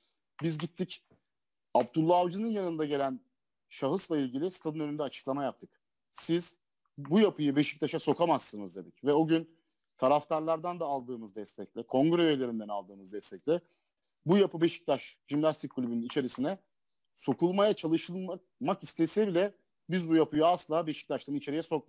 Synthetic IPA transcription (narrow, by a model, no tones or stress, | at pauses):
bizɟit̪ʰːic | abd̪ulˠːaːvd͡ʒɯnɯnjanɯnd̪aɟe̞lʲæn | ʃaɦɯslˠailʲɟilʲɪst̪ʰad̪ɯnønynd̪ɛat͡ʃʰɯ̥klˠamajap̚t̪ʰɯk | siz̥ | bujapʰɯjɯbe̞ʃi̥c̚t̪ʰaʃaso̞kʰamasːɯnɯzd̪eb̪icvɛo̞ɟyn | t̪ʰaɾaft̪ʰaɾlˠaɾd̪and̪aːlˠd̪ɯːmɯzd̪ɛst̪ʰɛc̚lʲɛkʰo̞ŋɡɾeølʲe̞ɾind̪ɛnalˠd̪ɯːmɯzd̪ɛst̪ʰɛclʲɛ | bujapɯbe̞ʃi̥c̚t̪ʰaʃʒimnʲast̪ʰic̚kʰːulʲybynynit͡ʃʰe̞ɾisinɛ | so̞kulˠmajat͡ʃʰalˠɯʃɯlˠma | makist̪ʰesɛbilʲɛ | bizbujapʰɯjuaslˠaːbe̞ʃi̥c̚t̪ʰaʃt̪ʰanit͡ʃʰe̞ɾijɛso̞k̚